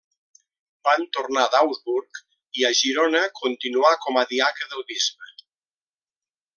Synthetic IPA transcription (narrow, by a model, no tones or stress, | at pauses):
bant̪ornaðawzβuɾk | iaʒiɾonəkʰunt̪inuakɔmaðiakəðəlˠβizβə